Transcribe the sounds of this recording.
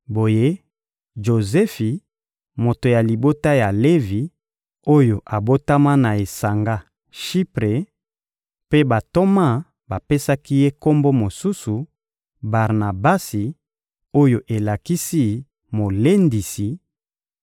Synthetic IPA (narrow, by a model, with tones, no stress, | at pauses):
bo˨je˦ | ʒo˨zɛ˦fi˨ | mo˨to˨ja˨li˨bo˦ta˦ja˨le˦vi˨ | o˦jo˨ʔa˨bo˦ta˦ma˦na˨e˨sa˨ŋɡa˦ | ʃi˦pʁe˨ | pe˦ba˨to˦ma˦˨ | ba˨pe˦sa˦ki˦je˦ko˦mbo˦mo˨su˦su˨ | ba˨ʁna˨ba˦si˨ | o˦jo˨ʔe˨la˨ki˦si˦ | mo˨le˦ndi˨si˨